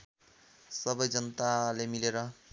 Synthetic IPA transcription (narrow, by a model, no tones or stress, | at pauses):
sʌbʌjd͡zʌnʌt̪alemileɾʌ